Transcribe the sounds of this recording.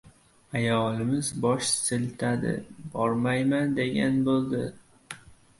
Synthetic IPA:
ajɒlˠɪmɪzbɒʃsɪlt̪ʰad̪ɪ̰bɒɾmajmand̪e̞ɡʲa̰nbolˠd̪ɪ

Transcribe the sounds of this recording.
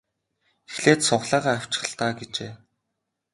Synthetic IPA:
exɮeːt̪sʊχɮæːʁaːaw̥ʲt͡ɕɪ̥̆χə̆ɬt̪aːɡet͡ɕeː

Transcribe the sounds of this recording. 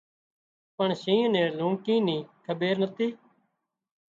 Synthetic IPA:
pəɳʃĩːneːlũːɳkĩːnĩːkʰəbeːɾnət̪iː

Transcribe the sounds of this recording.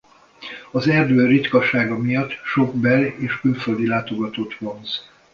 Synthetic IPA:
ɒzɛrd̪øːrit̪kɒʃaːɡɒmijɒt̪ːʃo̞ɡbɛleːʃkyɱføld̪ilaːt̪o̞ɡɒt̪oːt̪ʋo̞nz

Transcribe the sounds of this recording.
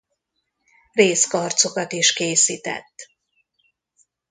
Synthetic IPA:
reːskɒrt̪so̞kɒt̪iʃkeːsiːt̪ɛ̰t̪ː

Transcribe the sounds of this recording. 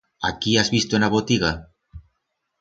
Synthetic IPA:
a̰kiazβist̪oenaβot̪iɣa

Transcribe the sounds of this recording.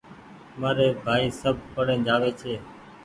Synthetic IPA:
maːɾeːbʱaːiːsəbʱpəɽẽːd͡ʒaːʋeːt͡ʃʰeː

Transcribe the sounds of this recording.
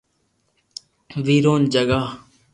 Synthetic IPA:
ʋiːɾoːnd͡ʒəɡaː

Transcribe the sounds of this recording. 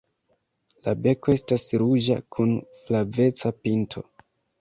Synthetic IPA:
labe̞ko̞e̞stasɾud͡ʒa̰kʰunflave̞t͡sapintʰo̞̰

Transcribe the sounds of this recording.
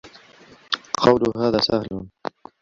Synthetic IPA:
qʰɑwluɦaːðaːsahlun

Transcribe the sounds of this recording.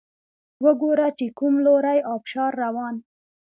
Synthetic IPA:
wəɡoɾat͡ʃekumloɾajɑpʃɑɾːawɑn

